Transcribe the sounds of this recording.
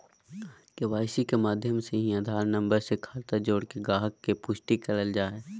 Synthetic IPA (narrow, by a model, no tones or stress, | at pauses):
keʋaːɪsikemaːd̪ʱjəmseɦĩɐd̪ʱaːɾnə̃mbəɾsekʰaːlt̪ad͡ʒoːɽkeɡaːɦəkːepʊʃʈikɐləld͡ʒaːeː